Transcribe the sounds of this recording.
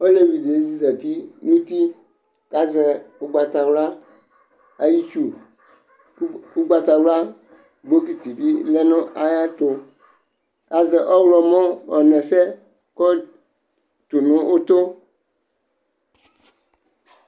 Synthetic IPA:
o˦le˦vi˨de˨˦zi˦zɛ˨t̪i˦nũ˦t̪i˦ | ka˨zɛ˨o˦ɡ͡ba˨t̪a˨wla˦ | a˨ji˦t͡ʃu˦ | ku˦ɡ͡ba˨t̪a˨wla˦ | ɡ͡bo˦k̬i˨t̪i˨vi˦lɛ˦nɔ̃˦ʔa˦ja˦t̪o˨ | ka˨zɛ˨ʔɔ˦wlɔ˨mɔ̃˦ɔ˨nɛ̃˨sɛ˦ | kɔ˦ | t̪o˨nɔ̃˦ʔo˦t̪o˦

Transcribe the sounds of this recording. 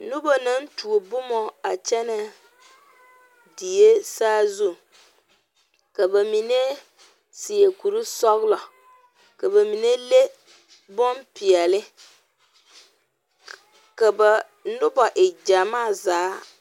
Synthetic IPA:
nu˦ba˨na˦n˦tu˨o˨bʊ˦mɔ˦a˨t͡ʃɛ˦na˨ | di˨je˦saː˦zu˦ | ka˨ba˨mi˨ne˦ | sɪ˨e˨ku˨ɾi˦sɔ˦ɣlɔ˨ | ka˨ba˨mi˨ne˦le˦ | bɔ˦mpi˨ɛ˨lɪ˦ | ka˨ba˨ | nʊ˦ba˨ʔɪ˨d͡ʒa˨maː˦˨zaː˨˦

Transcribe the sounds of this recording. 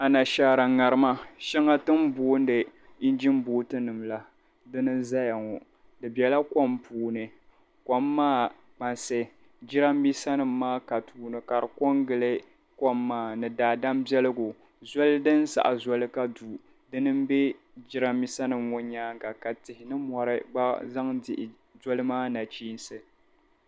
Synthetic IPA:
a˨na˨ʃaː˨˦ɾa˨ŋa˨ɾɨ˦ma˦ʃɛ˦ŋa˦tɨ˦m˦boː˦n˦dɨ˨ | i˦nd͡ʒi˦mboː˦tɨ˦nɨ˨mla˦ | dɨ˦nɨ˦nza˦ja˨ŋɔ˨ | dɨ˨bɛ˨la˦kɔ˦mpuː˨nɨ˨ | kɔ˦mːaː˦˨ | k͡pa˨nsɨ˨ | d͡ʒɪ˦ɾa˦mbi˦sa˦nɨ˨mːaː˦ka˨tuː˨nɨ˨ka˨ɾkɔ˦ŋɡɨ˨lɨ˦ | kɔ˦mːaː˦˨nɨ˨daː˨da˦mbɛ˦lɨ˦ɡʊ˨ | zɔ˦lɨ˦dɨ˦n˦sa̰˨ʔa˨zɔ˦lɨ˦ka˦du˨ | dɨ˦nɨ˦mbe˦ | d͡ʒɪ˦ɾa˦mbi˦sa˦nɨ˨mwʊ˦ɲaː˦ŋɡa˨ka˨tɪ˨hɪ˨nɨ˦mɔ˨ɾɨ̰˦ɡ͡ba˦za˦ŋdɪ˨ʔɪ˨ | d͡ʒɔ˦lɨ˦maː˦na˨t͡ʃiː˦n˦sɨ˨

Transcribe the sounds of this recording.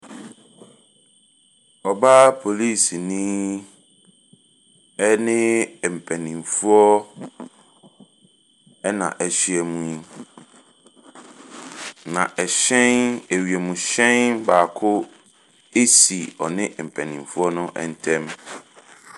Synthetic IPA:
ɔ˨ba˦pʰo˨li˦˨snĩ˦ | ɛ˦nɪ̃˦˨m̩˨pʰɛ̃˨nĩ˨m˨fu˦ɔ˦ | ɛ˦nã̰˨ʔɛ˨ɕi˨ɛ˨mũ˨ | nã˨ʔɛ˨ɕɛ̃˦nɛ˨ɥi˨ɛ˨mũ˨ɕɛ̃˦nbaː˨kʰʊ˦ | e˦si˨ɔ˨nɪ̃˦˨m̩˨pʰɛ̃˨nĩ˨m˨fu˦ɔ˦nʊ̃˦ʔɛ̰˦n˦tʰɛ̃˦m

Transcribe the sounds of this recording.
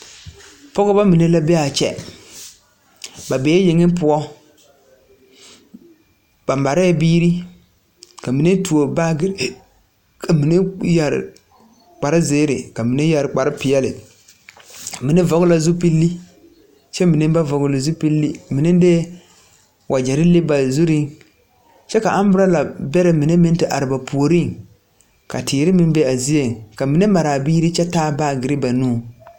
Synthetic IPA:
pɔ˦ɡɔ˦ba˦mi˨ne˦la˦be˦a˨t͡ʃɛ̰˦ | ba˨be˨˦e˦jɪ˨ŋɪ˦pʊ˦ɔ˦ | b̥a˨mba˨ɾɛ˦˨biː˦ɾi˦ | ka˨mi˨ne˦tu˨o˨ba˦˨ɡɪ˦ɾ | kʰa˨mi˨ne˦ja˨ɾɪ̰˨ | k͡pa˨ɾɪ˦ze˦ɾɪ̰˨ka˨mi˨ne˦ja˨ɾk͡pa˨ɾɪ˦pɪ˨jɛ˦lɪ̰˨ | mi˨nɪ˦vɔ˨ɡʊ˦la˦zu˦pi˦lːi˦ | t͡ʃɛ˦mi˨nɨ˦ba˦vɔ˨ɡʊ˨lɪ˨zu˦pi˦lːi˦mi˨nɪ˦de˦ | wʔa˨d͡ʒɛ˨ɾɪ˦le˦ba˨zu˦ɾi˦ŋ | t͡ʃɛ˦ka˨ʔa˦m˦bʊ˦ɾa˦la˨bɛ˦ɾɪ˨˦mɪ˨nɨ˦mɪ˦n˦tɪ˦ʔa˨ɾɪ˨ba˨pʰu˨o˨ɾi˦˨ŋ | ka̰˨tiː˨ɾɪ˦mɪ˦n˦bɛ˦a˨zi˦je˨ŋ˨ka˨mi˨nɨ˦ma˨ɾaː˨biː˦ɾi˦t͡ʃɛ˦taː˦baː˦˨ɡɪ˨ɾɪ˦ba˨nuː˦˨

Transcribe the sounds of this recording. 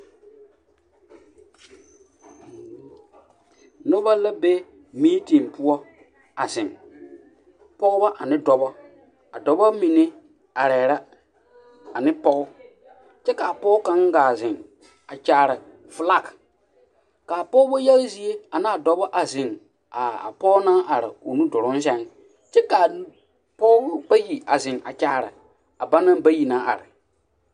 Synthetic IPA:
nʊ˦ba˦la˦be˦ | miː˦ti˨ŋ˨pʊ˦ɔ˦ | a˨zɪ˨ŋ | pɔ˦ɣʊ˦ba˦ʔa˨nɪ˦dɔ˨bɔ˦ | a˨dɔ˨bɔ˦mi˨ne˦ | a˨ɾɛː˨ɾa˦ | a˨nɪ˦pɔ˦ɣʊ˦ | t͡ʃɛ˦ka˨a˨pɔ˦ka˦ŋ˦ɡaː˨zɪ˨ŋ | a˨t͡ʃaː˨ɾɪ˨ | fʊ˨la˦k | ka˨pɔ˦ʊ˦bɔ˦jɛ˦lzi˦e˦a˨na˦˨dɔ˨bɔ˦ʔa˨zɪ˨ŋ | a˨a̰˨pɔ˦naː˦ʔa˨ɾɪ̰˨o˨nu˦dʊ˨ɾʊ˦n˦s̬ɛ˦n | t͡ʃɛ˦ka˨ | pɔ˦ʊ˦ʊ˦ba˦ji˨a˨zɪ˨ŋʔa̰˨t͡ʃaː˦˨ɾɪ̰˨ | a˨ba˦na˦ba˦ji˨naː˦ʔa̰˨ɾɪ˨

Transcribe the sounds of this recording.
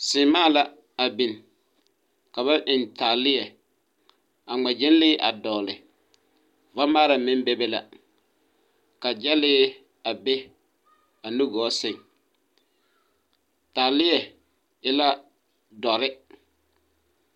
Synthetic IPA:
sɪː˨maː˦˨la˦ | a˨bi˨n˨ | ka˨βa˦ʔɪ˨ntaː˨lɪ˦jɛ˨ | a˨ŋ͡mɛ˨d͡ʒɪ˦n˦lɪː˦ʔa˨dɔː˨lɪ˨ | va˦maː˦ɾa˨mɪ˦n˦bɛ˦bɛ˦la˨ | ka˨d͡ʒɛ˦lɪː˦ | a˨bɛ˦ | a˨nu˦ɡɔː˨˦sɪ˦˨ŋ | taː˨lɪ˦jɛ˨ | ɪ˦la˦ | dɔ˨ɾɪ˦

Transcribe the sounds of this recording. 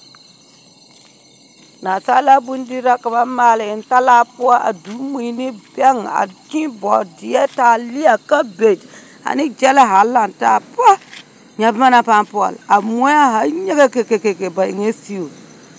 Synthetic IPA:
na˨sa˦la˦bu˦n˦di˦ɾa˦ka˨ma˦maː˦lɪ˨ɪ˨n˦ta˦la˦pu˦a˦ʔa̰˨du˨˦mi˨ni˦bɛ˦ŋa̰˨t͡ʃĩ˦bɔ˨di˨ɛ˦ta˨li˦a˨ka˦be˨d͡ʒ | a̰˨nɪ˦d͡ʒɛ˦la˦ɦa˨˦la˨nta˦˨pɔ˦ | ɲa˨bma˦na˦pa˦npɔ̰˨la˨mu˦a˦ɦa˨˦ɲe˦ɡe˦ke˨ke˨ke˨ke˨ba˨ḭ˨ŋe˦si˦o˨

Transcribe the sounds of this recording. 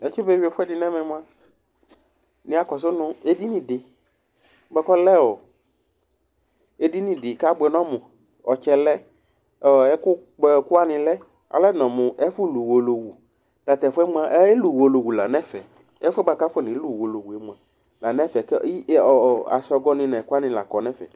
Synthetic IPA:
ɛ˨t͡ʃi˦be˦˨wi˦e˨fʊ˦ɛ˦dɪ˨nɛ̃˦mɛ̃˨m˦ã˦ | nɪ̃˨˦a˨kɔ˨s̬ʊ˦nʊ̃˦e˦di˦nĩ˨dɪ˨˦ | bɛ˨˦kɔ˦lɛ˦wo˨ | e˦di˦nĩ˨dɪ˨ka˦bɛ˨nɔ̃˦mʊ̃˨ | ɔ˨t͡ʃɛ˨lɛ˦ | ɔ˨ɛ˦kʊ˦k͡pkʊ˦a˦nɪ̃˨lɛ˦ | a̰˨lɛ˦nɔ̃˨mʊ̃˨ʔɛ˦fʊ˦lu˨wo˨lo˨wu˨ | t̪a˨t̪ɛ˨fʊ˦ɛ˦m˦ã˦ʔɛ˦lu˨wo˨lo˨wu˨la˨nɛ̃˦fɛ˨ | ɛ˦fɛ˦ba˦ka˦fɔ˦˨nɪ̃˨˦lu˦˨wo˨lo˨wu˨ɛ˨mũ˨ã˨ | la˨nɛ̃˦fɛ˨kɔ˨a̰˨sɔ˧ɡɔ˦nɪ̃˨nɛ̃˨ka˦nɪ̃˨la̰˨kɔ˨nɛ̃˦fɛ̰˨

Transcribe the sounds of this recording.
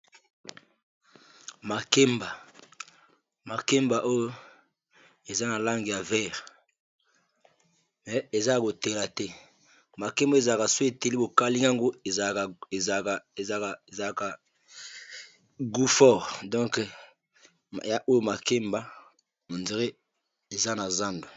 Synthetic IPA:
ma˨ke˦mba˨ | ma˨ke˦mba˨ʔo˦jo˦ | e˨za˦na˨la˦ŋɡi˨ja˨vɛ˦˨ʁ | mɛ˨e˨za˦a˨ko˨te˨la˨tɛ˦ | ma˨ke˦mba˦e˨za˨ka˨se˨te˨li˦bo˨ka˦li˦ŋɡa˦ŋɡo˦e˨ | e˨za˨ka˨ | ɡu˦fɔ˦˨ʁdɔ̃˦ŋk | ja˦˨ʔo˦jo˦ma˨ke˦mba˦ | mo˨nze˨ʁe˦ | e˨za˦na˨za˦ndo˨

